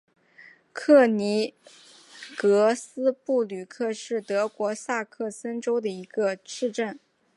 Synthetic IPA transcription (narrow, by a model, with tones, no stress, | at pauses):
kʰɤ˥˩ni˧˥ | kɤ˧˥sɹ̩˥pu˥˩ly˨˩kʰɤ˥˧ʂɻ̩˥˩t̪ɤ˧˥kwɔ˧˥sa˥˧kʰɤ˥˩sə˥nʈ͡ʂo˥ʊd̪ə˨i˧˥ɡ̥ə˧ʈ͡ʂʰɻ̩˥˧ʈ͡ʂə˥˩n